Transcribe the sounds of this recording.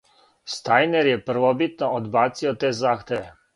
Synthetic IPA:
st̪aːjnɛɾjɛpəɾʋɔbit̪nɔɔd̪baːsiɔt̪ezaxt̪ɛ

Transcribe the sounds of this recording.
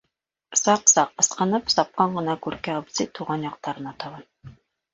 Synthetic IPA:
sɑqsɑqɤ̆sqɤ̆nɤpsɑp̚qɑɴɢɤ̆nɑkʉɾkæɑbzit̪uʁɑnjɑq̚t̪ɑɾɤ̆nɑt̪ɑβɤn

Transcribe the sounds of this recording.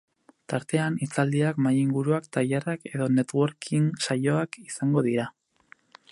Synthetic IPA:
t̪aɾt̪e̞anit͡sald̪iakmajiŋɡuɾuakt̪ajerake̞ðo̞ne̞t̪wo̞ɾkʰinsajo̞akisaŋɡo̞ðiɾa

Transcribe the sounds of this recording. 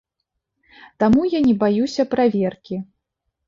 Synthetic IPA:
t̪amujanʲɛbajusʲɐpɾavʲerkʲi

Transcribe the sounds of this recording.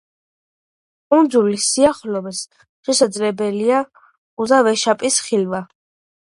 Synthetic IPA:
kʼund̪zulisiaχlɔmɛs | ʃɛsad̪zlɛbɛlia | uzavɛʃapʼisχilva

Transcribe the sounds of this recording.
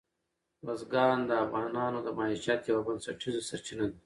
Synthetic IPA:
ɾozɡɑːnd̪əːfɣɑːnɑːnod̪əmaːiʃjat̪jɐwabɐnsɐʈʰizosɐɾt͡ʃinad̪i

